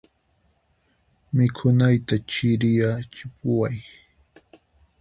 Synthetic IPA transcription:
mɪkʰʊnajt̪at͡ʃɪɾɪjat͡ʃɪpʊwaj

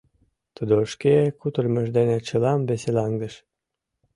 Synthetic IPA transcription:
t̪əd̪oʃkekut̪ərmə̆ʒd̪enet͡ɕəlɑmbeselɑŋɡəʃ

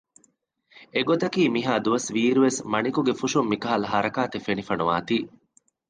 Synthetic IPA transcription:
eɡot̪ɐkiːmiɦaːd̪uʋɐsʋiːɾuʋesmɐnikuɡefuʃumːikɐɦɐlɐɦɐɾɐkaːt̪efenifɐnuʋa̰ːt̪iː

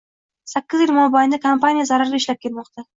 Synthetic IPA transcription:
sakʲːɪzjɪlmɒbajɪnd̪akʰampanijazaɾaɾɡʲaɪʃlap̚kʰʲe̞lmɒqt̪ʰa

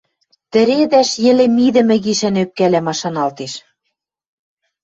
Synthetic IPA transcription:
t̪ɘ̆ɾed̪æʃjɘ̆lĕmiðɘ̆mɘ̆ɣiʃænøp̚kælæmɑʃɑnɑlt̪eʃ

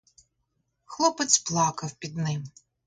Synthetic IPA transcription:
xlˠɔpɛt̪splˠɑkɐwpʲid̪nɪm

